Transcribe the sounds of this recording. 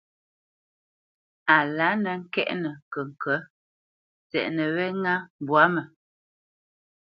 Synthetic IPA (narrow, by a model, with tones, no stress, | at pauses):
a˨la˨˦nə˨ŋ̩˦kɛ˦ʔnə˨kə˨ŋ̩˨kə˨˦ | t͡sɛ̰˨ʔnə˨wɛ˦ŋa˦m˨bwa˨˦mə˨